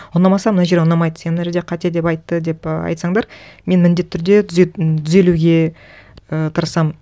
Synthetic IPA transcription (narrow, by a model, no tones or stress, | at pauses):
wonɑmɑsɑmənɑaʒeɾonɑmɑjd̪ə̥senmnɑʒeɾd̪eqʰɑt̪ed̪e̞pɑjt̪ːəd̪e̞pəɑ̰jt̪sɑŋd̪ɑɾme̞nmɪnd̪e̞t̪ʰːʏɾd̪e̞tt̪ʰʏze̞luɡʲe̞ | ət̪ʰəɾsɑm